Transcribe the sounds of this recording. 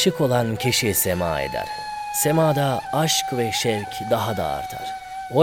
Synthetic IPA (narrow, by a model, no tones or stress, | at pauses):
ʃɯkʰo̞lˠancʰiʃisema̰ːḛd̪æ̰ɾ̥ | se̞maːd̪aaʃkvɛʃɛɾcʰd̪aɦad̪a̰ːɾt̪ʰa̰ɾ̥ | o